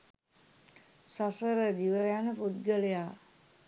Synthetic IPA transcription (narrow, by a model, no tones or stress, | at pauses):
sasəɾəd̪iʋəɾjanəput̪̚ɡələja